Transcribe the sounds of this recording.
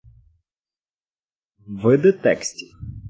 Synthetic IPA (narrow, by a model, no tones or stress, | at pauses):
vɨd̪ɨt̪ɛksʲtʲi